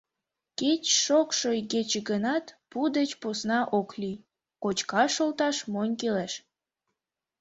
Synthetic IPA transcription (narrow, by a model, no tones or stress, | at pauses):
ket͡ɕʃokʃojɡet͡ɕeɡənɑt̪pud̪et͡ɕposnɑʔoklij | kot͡ɕkɑʃolt̪ɑʃmonʲkeleʃ